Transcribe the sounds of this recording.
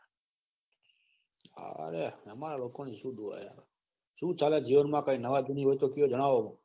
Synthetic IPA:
a̰ɾeəmaɾalokoniʃũd̪ʱua̰ja̰ɾ | ʃũt͡ʃaled͡ʒiʋənmãkainəʋad̪iniʋot̪okijod͡ʒəɽ̃aʋo

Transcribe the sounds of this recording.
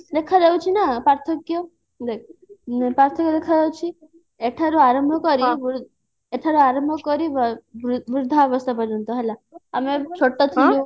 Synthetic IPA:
d̪ekʰaɾewt͡ʃʰinapaɾt̪ʰɔkːjo | d̪ekʰpɾaɾt̪ʰɔkd̪ekʰaɾewt͡ʃʰi | eʈʰaɾuaɾəmbʱɔkɔɾiʋ | eʈʰaɾuaɾəmbʱɔkɔɾiɾʋɾud̪ʱːaʋəst̪ʰapɔɾɔnt̪uɦelaamet͡ʃʰoʈːɔt̪ʰiu

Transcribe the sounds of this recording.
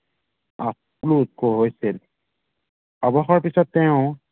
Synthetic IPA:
a̰s | lut̚koɦojsil | abɔxɔɹpisɔtːɛʊ̃

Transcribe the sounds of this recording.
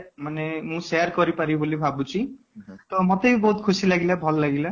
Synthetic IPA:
manemũseaɾkɔɾipaɾibolibʱabut͡ʃʰi | t̪ɔmɔt̪ebibɔɦut̪̚kʰusilaɡilabʱɔlɔːaɡila

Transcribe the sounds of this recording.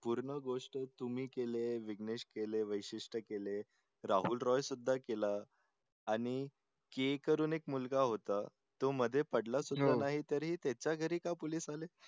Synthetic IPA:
puɾɳəɡoʂʈət̪umiːkeleʋiɡneʂkeleʋəjɕiʂʈəkele | ɾaɦuːlɾɔjsud̪ʱːakelaː | ɽ̃i | kekəɾuːnekmulɡaɦot̪a | t̪oməd̪ʱːjepəɽlasud̪ʱːanaɦit̪əɾɦiːt̪ɛt͡ɕaɡʱəɾiːkapoliːsale

